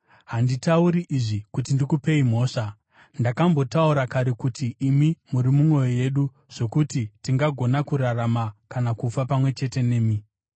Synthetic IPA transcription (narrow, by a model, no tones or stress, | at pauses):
ɦanditauɾiʔiʐikutindikupe̞im̤o̞ːʂa | ndakambo̞tauɾakaɾe̞kutiːmimuɾimumwo̞joje̞ɗu | ʐ̥o̞kutitiŋɡaɡʱo̞nakuɾaramakanakufapamwe̞t͡ʃe̞te̞ne̞ːmi